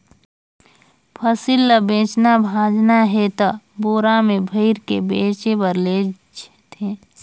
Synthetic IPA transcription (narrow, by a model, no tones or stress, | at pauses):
pʰəsilːəbẽːt͡ʃnabʱaːd͡ʒnaɦɛt̪ə | boːɾamẽbʱəɪɾkḛbeːt͡ʃebəɾleː | d͡ʒ | t̪ʰẽː